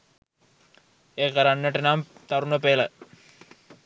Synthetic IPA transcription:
eːkəɾanːəʈenaːmt̪aɾunəpeːlə

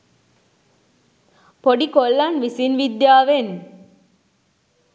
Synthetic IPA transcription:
poɖikolːanʋisinʋid̪jaːʋen

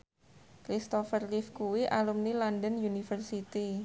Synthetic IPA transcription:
kɾist̪ɔfərlifkuwiʔalumnilandənjunifərsit̪i

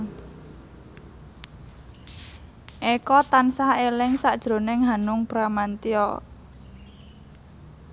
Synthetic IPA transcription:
ʔekɔt̪ansahelɪŋsaʔd̥ʒ̥ɾo̤nɪŋɦanʊŋb̥ɾamant̪iɔ̰

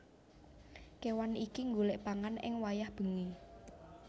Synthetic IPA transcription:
kewanikiŋɡulɛʔpaŋanɪ̰ŋwajahb̥ə̤ŋi

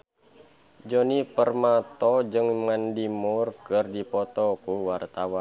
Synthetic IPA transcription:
d͡ʒonipərmat̪ɔd͡ʒɨŋmandimurkɨrdipɔt̪ɔkuwart̪awan

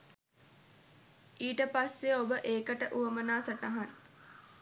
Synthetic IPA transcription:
iːʈəpasːeobəʔeːkəʈəʔuʋəmənaːsəʈaɦan

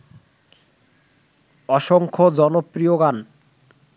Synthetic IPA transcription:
ɔʃoŋkʰod͡ʑɔnopɾijoɡan

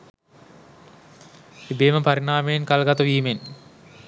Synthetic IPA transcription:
ibeːməpaɾinaːmejenkalɡat̪ɐʋiːmen

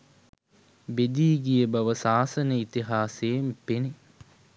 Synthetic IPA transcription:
bed̪iːɡijəbɐʋəsaːsənəit̪iɦaːseːmpene

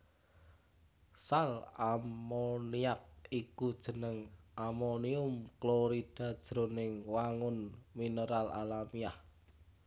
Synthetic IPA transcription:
salammoniak̚ikud̥ʒ̥ə̤nəŋʔamoniʊmkloɾid̥a̤d̥ʒ̥ɾo̤nɪŋwaŋʊnminəɾalʔa̰lamiah

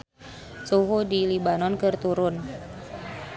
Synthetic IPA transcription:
t͡ʃuɦudilibanɔnkɨrt̪uɾʊn

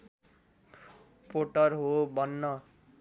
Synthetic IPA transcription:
poʈʌrɦobʌnːʌ

